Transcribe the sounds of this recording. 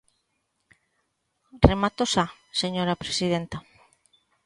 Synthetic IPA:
remat̪osa | seɲoɾapɾesiðent̪a

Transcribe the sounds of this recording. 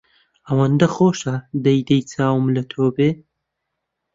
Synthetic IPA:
ɐwɐnd̪ɐxoːʃɐd̪ɐjd̪ɐjt͡sʰaːwmlɐt̪ʰoːbe

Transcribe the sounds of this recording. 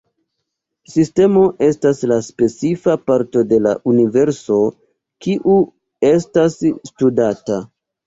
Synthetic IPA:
siste̞mo̞ʔe̞staslaspe̞t͡sifapaɾto̞de̞la̰ʔunive̞ɾso̞ | kiʔu | e̞stasːtudata

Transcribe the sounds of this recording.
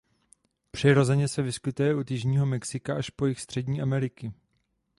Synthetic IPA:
pr̝̥ɪɾo̞zɛɲɛsɛvɪskɪt̪ujɛʔut̪jɪʒɲiːɦo̞mɛksɪkaʔaʃpo̞jɪxst̪r̝̥ɛdɲiːʔamɛɾɪkɪ

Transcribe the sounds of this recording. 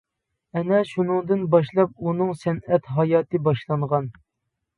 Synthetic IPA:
ɛnɛʃunɨŋd̪ɨnbɑʃlˠɑp̚unɨŋsɛnɛt̪ɦɑjɑːt̪ɨbɑʃlˠɑɴʁɑn

